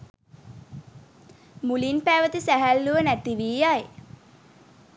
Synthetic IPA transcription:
mulinpæːʋət̪isæɦælːuʋənæt̪iʋiːjaj

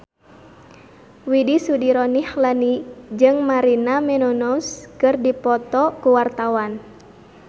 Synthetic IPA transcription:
widisudiɾɔnihlanid͡ʒɨŋmaɾinamɛnɔnɔskɨrdipɔt̪ɔkuwart̪awan

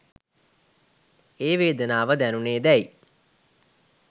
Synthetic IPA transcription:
eːʋeːd̪ənaːʋəd̪ænuneːd̪ɛji

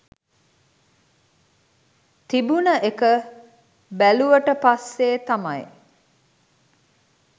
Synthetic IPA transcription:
t̪ibunəʔekə | bæluʋəʈəpasːeːt̪amɐj

